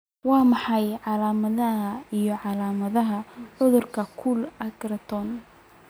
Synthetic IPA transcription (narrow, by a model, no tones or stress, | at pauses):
wɑːmɑħɑjʕɑlaːmɐðɐɦɐijɞʕɑlaːmɐðɐɦɐʕʊðʊrkʰɐkʰulɐɡrɐt̪ʰɔn